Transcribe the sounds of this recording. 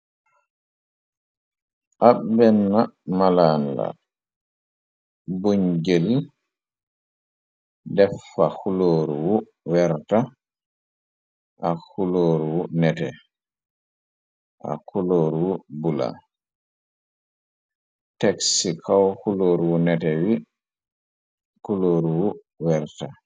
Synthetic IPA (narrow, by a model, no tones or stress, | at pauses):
ʔabːɛnːamalanla̰ | buɲɡeli | dɛfːahuloːɾuwɔ | wɛɾta | ʔahuloːɾuwunɛtɛ | ʔa̰kuloːɾuwubula̰ | tɛksikʰawhuloːɾuwunɛtɛwi | kuloːɾuwu | wɛɾta